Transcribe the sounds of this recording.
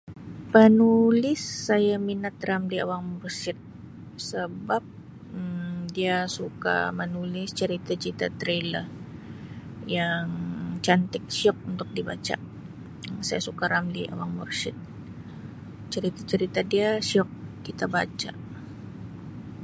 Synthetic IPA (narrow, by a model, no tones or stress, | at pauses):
pənulɪsːajaminat̪̚ramlia̰waŋmɔrsɪt̪̚ | səbap̚ | diasuka̰mənulɪst͡ʃəɾit̪at͡ʃəɾit̪at̪ɾelər | jaŋt͡ʃant̪ɪk̚siɔk̚unt̪ʊk̚dibat͡ʃa̰ | sajasukaɾamliʔa̰waŋmɔ̰rsɪt̪̚ | t͡ʃəɾit̪at͡ʃəɾit̪adiasiɔk̚kit̪abat͡ʃa̰